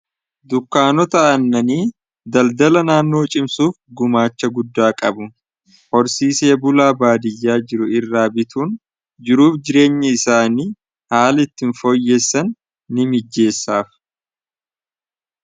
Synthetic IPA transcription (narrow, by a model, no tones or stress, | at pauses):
d̪ʊkːaːnɔt̪ɐʔɐnːɐniː | d̪ɐld̪ɐlɐnaːnːo̞ːt͡ʃʼɪmsuːfɡʊmaːt͡ʃːɐɡʊd̪ːaːkʼɐbʊ | hɔɾsiːse̞ːbʊlaːbaːd̪ɪjːaːd͡ʒɪɾʊɪrːaːbɪt̪ʰuːn | d͡ʒɪɾuːfd͡ʒɪɾe̞ːɲːɐɪsaːniː | haːlɪt̪ːɪnfoːjːeːsːɐnː | ɪmɪd͡ʒːe̞ːsːaːf